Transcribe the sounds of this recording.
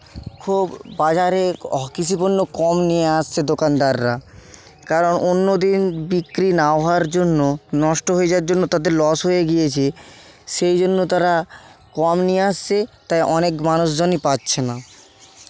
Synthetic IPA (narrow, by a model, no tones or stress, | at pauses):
kʰubːad͡ʑaɾekit͡ɕʰuponːokɔmnijeast͡ɕʰed̪okand̪aɾːa | kaɾonʔonːod̪inbikɾinaoɦaɾd͡ʑonːonɔʃʈoɦoed͡ʑaaɾd͡ʑonːot̪ad̪eɾlɔsɦojeɡijet͡ɕʰe | ʃejd͡ʑonːot̪aɾakɔmnijeast͡ɕʰet̪ajʔɔnekmanuʃd͡ʑonipatːɕʰena